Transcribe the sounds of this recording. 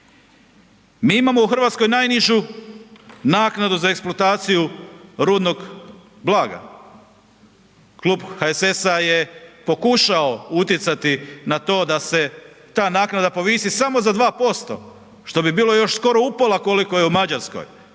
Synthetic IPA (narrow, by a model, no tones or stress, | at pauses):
miːimamo̞uxr̩ʋaːt̪sko̞jnajniʒu | naːknad̪uzaeksplˠoat̪aːt̪sijuɾuːd̪no̞ɡ | blˠaːɡa̰ | kluːbxaesesaje̞po̞kuʃao̞ut̪jet̪sat̪inat̪o̞ːd̪ase̞ | t̪aːnaːknad̪apo̞ʋiːsisamo̞zad̪ʋaːpo̞st̪o̞̰ | ʃt̪o̞bibiːlo̞jo̞ʃsko̞ɾo̞upolako̞likojeumad͡ʑaɾsko̞̰j